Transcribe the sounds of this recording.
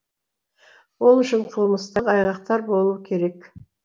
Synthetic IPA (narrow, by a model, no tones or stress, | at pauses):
wo̞lˠʏʃɪɴqʰəlˠməst̪ɑqɑjʁɑq̚t̪ɑɾbo̞lˠuwkʲʰe̞ɾe̞k